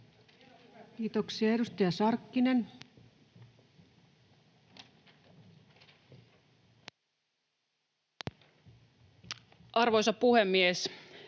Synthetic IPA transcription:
kiːt̪oksiɑeɾust̪ɑjɑsɑrkːine̞n | ʔɑrʋojsɑpuhemːies

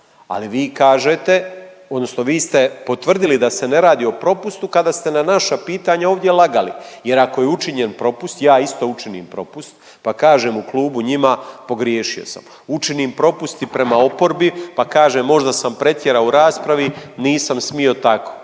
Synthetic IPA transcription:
a̰liʋiːkaːʒet̪e̞ | o̞d̪no̞sno̞ʋiːst̪e̞po̞t̪ʋr̩d̪ilid̪ase̞ne̞ɾaːd̪io̞pɾo̞pust̪ukad̪aːst̪e̞nanaʃapiːt̪aɲaoːʋd̪je̞lˠaɡalḭje̞ɾako̞jeut͡ʃiɲe̞npɾo̞pust̪jaːist̪o̞ːut͡ʃinḭːmpɾo̞pust̪̚ | pakaːʒe̞ːmuklˠuːbuɲimapo̞ɡɾjeːʃio̞̰sa̰m | ut͡ʃiniːmpɾo̞pust̪ipɾe̞mao̞po̞ɾbipakaːʒeːmːo̞ʒd̪asampɾe̞t̪je̞ɾauɾaːspɾaʋiniːsamsmio̞t̪ako̥ː

